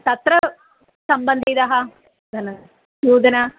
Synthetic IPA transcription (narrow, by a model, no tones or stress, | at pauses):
t̪ɐt̪ɾɐ | sɐmbɐnd̪id̪ɐɦɐ | d̪ɐnɐ | juːd̪ɐnɐ